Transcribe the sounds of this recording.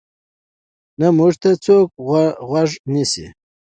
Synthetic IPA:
namuʐt̪at͡sok̚ɣwaʐnisḭ

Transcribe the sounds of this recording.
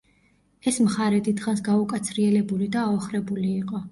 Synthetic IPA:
ɛsmχaɾɛd̪id̪χansɡaukʼat̪sʰɾiɛlɛbulid̪aːɔχɾɛbuliːqʼɔ

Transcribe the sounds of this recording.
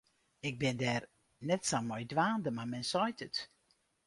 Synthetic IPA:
ɪk̚bɪndɛːr | nɛtsamɔjdʋaːndəmamɛnsɔjtʰət

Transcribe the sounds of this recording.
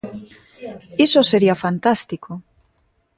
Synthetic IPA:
isoseɾiafant̪ast̪ikʰo

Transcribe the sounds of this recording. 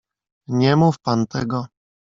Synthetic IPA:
ɲɛmufpant̪ɛɡɔ

